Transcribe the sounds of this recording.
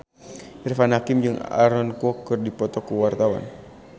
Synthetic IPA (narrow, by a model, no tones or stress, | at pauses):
ʔirfanhakimd͡ʒɨŋa̰ɾɔnkuɔkɨrdipɔt̪ɔkuwart̪awa̰n